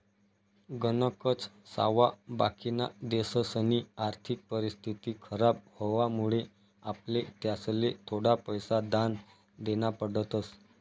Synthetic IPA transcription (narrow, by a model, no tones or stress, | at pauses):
ɡənəkət͡ssa̰ʋaba̰kina̰d̪esəsəniaɾt̪ʰik̚pəɾist̪ʰit̪iːkʰəɾab̚hoʋamuɭe | aplet̪jaslet̪ʰoɽapəjsad̪an | d̪eñapəɽət̪əs